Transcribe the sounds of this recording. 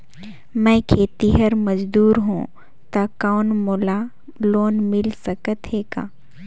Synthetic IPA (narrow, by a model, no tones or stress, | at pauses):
mɛ̃ːkʰeːt̪iɦəɾməd͡ʒd̪uːɾɦṵ̃ː | t̪akaːnmoːla | loːnmɪlsəkət̪ɦeːka̰ː